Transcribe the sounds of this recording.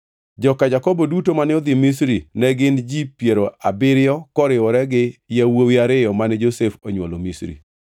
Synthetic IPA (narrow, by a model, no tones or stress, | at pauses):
d͡ʒɔkad͡ʒakɔbɔdutomanɛɔd̪ɪmisɾinɛɡɪnd͡ʒipjeɾoabɪɾɪjɔkɔɾɪwɔɾɛɡɪjawowiaɾɪjɔmanɛd͡ʒosefoɲwɔlomisɾḭ